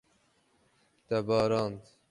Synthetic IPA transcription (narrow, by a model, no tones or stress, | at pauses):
t̪ɛbɑːɾɑːnt̪